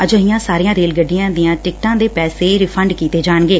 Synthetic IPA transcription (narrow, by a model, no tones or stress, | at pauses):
əd͡ʒəɦɪjãːsaːɾijãːɾeːlɡəɖɪjãːd̪ɪjãːʈɪk̚ʈãːd̪eːpɛːseːɾɪpʰəɳɖkiːt̪eːd͡ʒaːɳɡeː